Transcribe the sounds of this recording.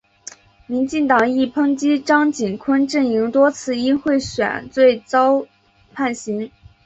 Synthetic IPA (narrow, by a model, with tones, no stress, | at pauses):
mi˧˥nt͡ɕi˥˩ŋt̪ɑ˨˩ŋi˥˩pʰɤ˥ŋt͡ɕi˥ʈ͡ʂɑ˥ŋt͡ɕi˨˩nkʰwə˥nʈ͡ʂɤ˥˩ŋi˧˥ŋt̪wɔ˥t͡sʰɹ̩˥˧i˥nxwe˥˩ɪɕɥɛ̰˨˩˦nt͡swe˥˩ɪt͡sɑ˥ʊ | pʰa˥˩nɕi˧˥ŋ